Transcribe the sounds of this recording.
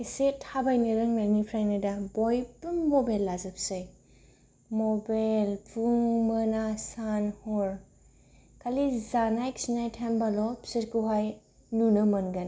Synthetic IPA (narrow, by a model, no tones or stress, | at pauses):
isethabajnɯɾɯŋnanipʰɾajnɯdabojpumːɔbajlːazɯpsɯj | mɔbajlpʰuŋmənasanhɔɾ | kʰalizanajksinajtʰambalɔpsitɡuɦaj | nunɯmɐnɡan